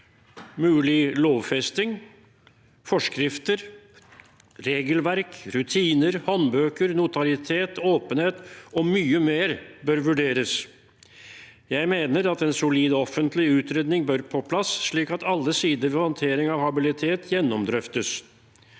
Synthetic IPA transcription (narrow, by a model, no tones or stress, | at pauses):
mʉːlɪloːʋfɛst̪ɪŋ | fɔʂkɾɪft̪əɾ | ɾeːɡəlʋæɾkɾʉt̪ʰiːnəɾhɔnbøːkəɾnʊt̪ɑlɪt̪ʰeːt̪oːpənheːt̪ɔmyːəmeːɾbœɾʋʉɖeːɾəs | jæɪmeːnəɾɑt̪ɛnsʊliːd̪ɔɔfənt̪lɪʉːt̪ɾeːd̪nɪŋbœɾpʰɔpʰlɑsʂɭiːkɑt̪ɑlːəsiːd̪əɾʋɛhɔnt̪ʰeːɾɪŋɑʋhɑbɪlɪt̪ʰeːt̪ʰjɛnːɔmd̪ɾœft̪əs